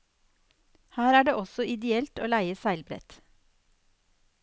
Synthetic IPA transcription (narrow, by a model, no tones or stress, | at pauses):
hæːɾæːɖeːʔɔsɔʔɪd̪ɛɛlt̪oːlæɪəsæɪlbɾɛ̰t̪